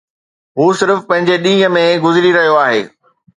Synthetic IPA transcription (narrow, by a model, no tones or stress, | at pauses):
ɦuːsɪɾfpɐ̃ɦɪ̃ɲd͡ʑeɗĩːə̆mẽɡʊzɪɾiɾɐɦijoaːɦḛː